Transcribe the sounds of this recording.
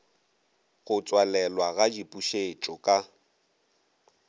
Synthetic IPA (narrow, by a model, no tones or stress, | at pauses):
ɣʊt͡sʼwalɛlwaɣad͡ʒipʼuʃet͡ʃʼɔkʼa